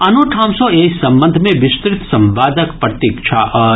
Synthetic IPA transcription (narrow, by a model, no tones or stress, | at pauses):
ɐnoʈʰãːmsoeːsɐ̃mbə̃nd̪ʱmẽʋɪst̪ɾɪt̪sɐ̃mʋaːd̪əkpɾɐt̪ikt͡ʃʰa̰ʔ